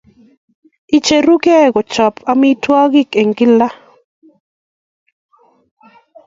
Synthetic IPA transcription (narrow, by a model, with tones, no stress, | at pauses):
i˨t͡ʃe˨ɾu˦ɡɛ˦˨ɡɔ˨t͡ʃɔ˨pʰa˦mi˦twɔ˦ɡɪ˦ke˨ŋɡɪ˦la˦